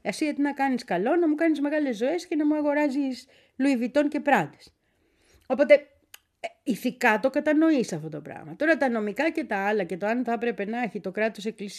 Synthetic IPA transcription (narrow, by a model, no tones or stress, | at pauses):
ɐsiet̪inɐkɐniskɐlo̞nɐmukɐnizme̞ɣɐle̞zːo̞e̞sce̞nɐmuɐɣo̞ɾɐzis | luivit̪o̞nce̞pɾɐd̪e̥s | o̞po̞t̪e̞ | iθikɐt̪o̞kɐt̪ɐno̞isɐft̪ot̪o̞pɾɐ̰ɣmɐt̪o̞ɾɐt̪ɐno̞mikɐce̞t̪ɐɐlɐce̞t̪oɐnθɐpɾe̞pe̞nɐeçit̪o̞kɾɐt̪o̞se̞klis